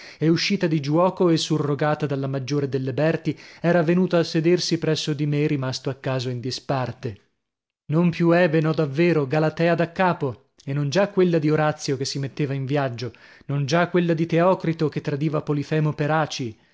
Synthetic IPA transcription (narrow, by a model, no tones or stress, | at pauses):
euʃːiːt̪ad̪id͡ʒwɔːkoesurːoɡaːt̪ad̪alːamad͡ʒːoːɾed̪elːebɛrt̪iɛːɾavenuːt̪aːsːed̪ersipɾɛsːod̪imerimast̪oakːaːzoind̪ispart̪e | nompjuɛbenɔd̪avːeːɾoɡalat̪ɛːad̪akːaːpo | enːond͡ʒakːwelːad̪ioɾat̪sːjokesːimet̪ːeːvaiɱvjad͡ʒːo | nond͡ʒakːwelːad̪it̪eɔːkɾit̪ok̟et̪ːɾad̪iːvapolifɛːmopeɾaːt͡ʃi